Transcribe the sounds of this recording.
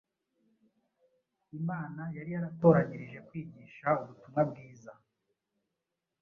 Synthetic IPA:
imaːnajaɾijaɾato̞ːɾaɲiɾiʒe̞kwiːɲiːʃauβutumŋabɡiːza

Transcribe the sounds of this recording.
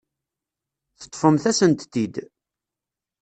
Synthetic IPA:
θə̥t̪ˤːfəmθæsənt̪ːid̪

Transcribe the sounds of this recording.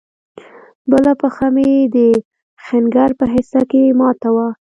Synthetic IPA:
bəlapəxamed̪ə | xɪnɡaɾpəɦɪsakemɑt̪awa

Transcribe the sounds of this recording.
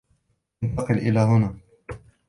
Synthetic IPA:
nt̪ɑqɨlʔɪlaːɦʊnaː

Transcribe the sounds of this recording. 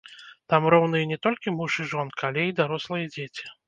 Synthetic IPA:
t̪amrɔwnɨjɛnʲɛt̪ɔlʲkʲimuʂɨʐɔnkɨalʲɛid̪aɾɔslˠɨjɛd͡zʲet͡sʲi̥

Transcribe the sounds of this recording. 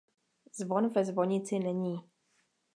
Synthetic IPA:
zvɔnvɛzvɔɲit͡sɪnɛɲiː

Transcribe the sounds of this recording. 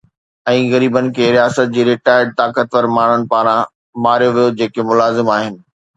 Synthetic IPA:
ɛ̃ːɣɐɾiːbənɪ̆kʰeːɾijaːsət̪̚d͡ʑiːɾɪʈaːɪɖ̚t̪aːkət̪ʋəɾmaːɳ̤əɽ̃ɪ̆paːɾã | maːɾijoʋijod͡ʑeːkemʊlaːzɪmaːɦɪnɪ̆

